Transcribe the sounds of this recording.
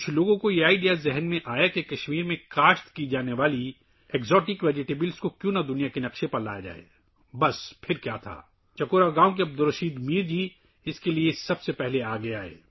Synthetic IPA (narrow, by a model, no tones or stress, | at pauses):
kʊt͡ʃʰloːɡõkojeaːɪɖijazɛɦnmẽʔaːjakekɐʃmiːɾmẽkaːʃt̪kid͡ʒaːneʋaːli | ɛːkzɔːʈɪkʋɛːd͡ʒɪʈeːbɪlskokjũːnad̪ʊnijakenɐqʃepɐɾla̰ːjad͡ʒa̰ːḛː | bɐspʰɪɾkja̰ːt̪ʰa̰ː | t͡ʃɐkoːɾaɡaːõk̬eɐb̚d̪ʊɾɐʃiːd̪miːɾd͡ʒi | ɪskeliesɐbsepɛɦleaːɡɐjaːɦḛː